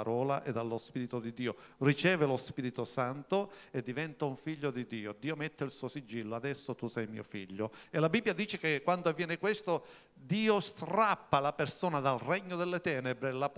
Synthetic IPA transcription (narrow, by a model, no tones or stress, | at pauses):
aɾɔːlaʔed̪alːospiɾit̪od̪id̪iːo | rit͡ʃɛːvelospiːɾit̪osant̪oed̪ːivɛnt̪auɱfiʎːod̪id̪iːod̪iːomɛt̪ːeilsuːosid͡ʒːilːoad̪ɛsːot̪usɛjmḭːofḭʎːoelabibːjad̪iːt͡ʃekekːwand̪oavːjɛːnekwest̪o | d̪iːost̪ɾapːalapersoːnad̪alrɛɲːod̪elːet̪ɛːnebɾelap